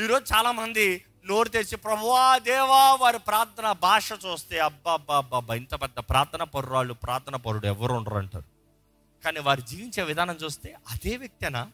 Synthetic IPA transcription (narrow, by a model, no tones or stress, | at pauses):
iːɾoːd͡ʒut͡ʃaːlaːmɐnd̪i | no̞ːɾut̪̬eːt͡ʃipɾɐbʱuʋaːd̪ɛːʋaːʋaːɾipɾaːɾt̪ʰɐnɐbʱaːʂɐt͡ʃuːst̪eːɐbːɐːbːɐːbːɐbʱɐjint̪ɐpɛd̪ːɐpɾaːɾt̪ʰɐnɐpɐɾuɾaːɭːupɾʔaːɾt̪ʰɐnɐpɐɾuɽuɛʋːɐɾuuɳɖɐ̰ɾɐɳʈa̰ːɾu | kaːniːʋaːɾud͡ʒiːʋiɲt͡ʃe̞ːʋid̪ʱaːnɐmt͡ʃuːst̪e̞ːʔɐd̪eːʋjɐk̚t̪iɐnaː